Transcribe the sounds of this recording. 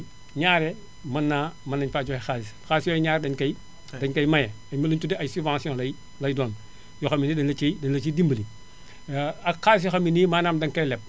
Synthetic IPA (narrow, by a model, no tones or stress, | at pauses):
ɲaːɾɛ | mɐnːaːmɐnːɐɲfaːd͡ʒɔhɛxasis | xaːsjɔɲaːɾɛdɐɲkɐj | dɐɲkɐjmɐjɛɐjmɐluntudɛɐjsuvãːsjɔ̃lɐj | lɐjdɔːn | jɔxɐmːinidɐnlɐt͡ʃidɐnlɐt͡ʃidimbəli | ɐxas̬jɔxɐminimaːnaːmdɐnkɐjlɛp̚